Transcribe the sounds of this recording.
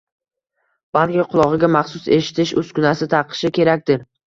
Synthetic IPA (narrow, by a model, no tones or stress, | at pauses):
b̥alˠkʲɪqʰʊlˠɒʁɨɡʲamaχsʊse̞ʃɪ̥t̪ʰɪʃɵskʊnasɪt̪ʰɑɾqʰɨ̥ʃɪkʲʰe̞ɾak̚ʲt̪ɪɾ